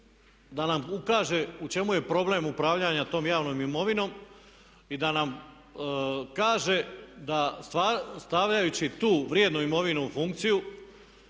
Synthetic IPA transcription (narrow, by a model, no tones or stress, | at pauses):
d̪anamukaːʒe̞ut͡ʃe̞muje̞pɾo̞ble̞mupɾaʋʎaɲat̪o̞ːmjaːʋno̞ːmimo̞ʋino̞m | id̪anam | kaːʒe̞d̪ast̪ʋast̪aʋʎajut͡ɕit̪uːʋɾjed̪nuimo̞ʋinuufuŋk̚t̪siju